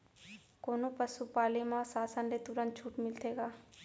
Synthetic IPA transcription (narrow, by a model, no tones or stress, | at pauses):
koːnõpəsupaːlimãsaːsə̃nɖet̪uɾə̃nt̪̚t͡ʃʰuːʈmɪlt̪ʰeːɡaː